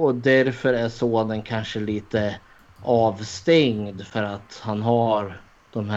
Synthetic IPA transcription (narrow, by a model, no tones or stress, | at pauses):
ɔd̪æɾfœɾæʂoːnənkʰanʂəliːt̪ə | ɑːvst̪ɛŋd̪fœɾat̪hanɦaɾ | d̪̥ɔmhæ